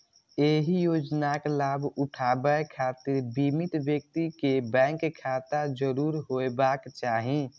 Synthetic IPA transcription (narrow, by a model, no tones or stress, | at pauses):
eːɦijoːd͡ʒnaklaːbʊʈʰaːbəekʰaːt̪ɪɾbimit̪bjək̚t̪ikebɛ̃ːŋkkʰːaːt̪ad͡ʒəɾuːɾɦoebaːkt͡ʃaːɦi